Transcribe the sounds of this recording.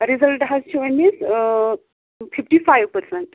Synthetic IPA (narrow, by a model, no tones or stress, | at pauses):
ɾizəlʈɦazt͡ʃʰuenis | fifʈifajʋpəɾsɛ̃ɳʈ